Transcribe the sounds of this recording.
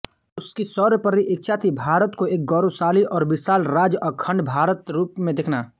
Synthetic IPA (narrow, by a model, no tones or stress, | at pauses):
ʊskisɔːɾpəɾiʔɪk̚t͡ʃʰaːt̪ʰibʱaːɾət̪koeːk̚ɡɔːɾosaːliʔɔːɾbɪsaːlɾaːd͡ʒɔːkʰɐ̃ɳɖbʱaːɾət̪ɾuːpmẽd̪ekʰnaː